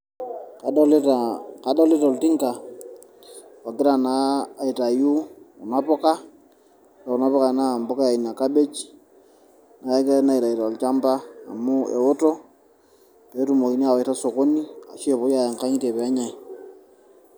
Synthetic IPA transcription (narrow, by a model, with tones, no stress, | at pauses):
a˨˦laka˨˦da˦le˦ta˨o˨lti˦ŋka˨ | ɔ˨kɪ˦ɾa˨naː˨˦˨i˨ta˨ju˦u˨na˦pɔ˦ka˦ | ta˨u˨na˦pɔ˦ka˨na˦˨mbɔ˦ka˦a˨i˨na˨ka˦be˦t͡ʃ | na˨a˦ka˦na˦i˨ta˨i˨ta˨o˨lt͡ʃa˦mba̰ː˦˨mu˦ḛ˨o˦tɔ˦ | pe˨˦tu˦mo˨ki˦ni˦a˨wa˨ta˦so˨ko˦ni˦a̰˨ʃe˦˨po˦ja˨a˨ŋka˦ɲi˦te˨pːɲa˨